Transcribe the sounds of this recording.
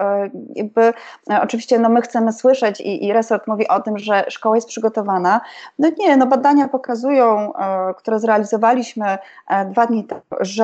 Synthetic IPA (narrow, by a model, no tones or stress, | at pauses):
ja̰ɡ̚bɘɔt͡ʂɘvʲiɕt͡ɕɛnɔmɘxt̪sɛmɘswɘʂɛt͡ɕḭʔiɾɛsɔɾt̪muvʲiʔɔt̪ɘmʐɛʂkɔwajɛst̪pʂɘɡɔt̪ɔvananɔɲɛnɔbad̪aɲapɔkazujɔ̃w̃kt̪uɾɛzɾɛalʲizɔvalʲiɕmɘd̪vad̪ɲit̪ʐ